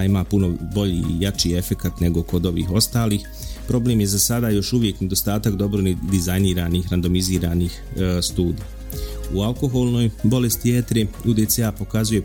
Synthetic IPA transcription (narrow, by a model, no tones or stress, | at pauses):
imaːpuno̞bo̞ʎḭjat͡ʃiːe̞fe̞kat̪ne̞ɡo̞ko̞d̪o̞ʋḭːxo̞st̪aːliːx | pɾo̞ble̞ːmje̞zasad̪aːjo̞ʃuʋje̞kne̞d̪o̞st̪aːt̪akd̪o̞bɾod̪izajniːɾaːniːxɾand̪o̞miziːɾaːniːxst̪uːd̪i | ualko̞xo̞lˠno̞ːjbo̞le̞st̪iet̪ɾeud̪eseapo̞kazuje̞